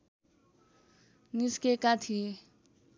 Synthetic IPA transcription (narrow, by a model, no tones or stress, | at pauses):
niskekat̪ʰie